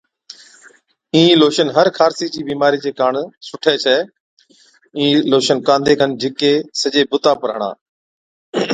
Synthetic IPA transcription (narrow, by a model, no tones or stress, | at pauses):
ĩːloːʃənɦəɾkʰaːɾsiːd͡ʑiːbiːmaːɾiːt͡ʃeːkaːɳsʊʈʰeːt͡ʃʰɛː | ĩːloːʃənkãːnd̪ʱeːkʰənd͡ʑɪkeːsəʄeːbʊt̪aːpəɾɦəɳa̰ː